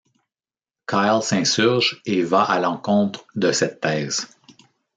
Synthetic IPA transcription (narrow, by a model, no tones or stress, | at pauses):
kʰaɪlsɛ̃syʁʒevaʔalɑ̃kɔ̃t̪χd̪əsɛt̪ʰːɛːz̥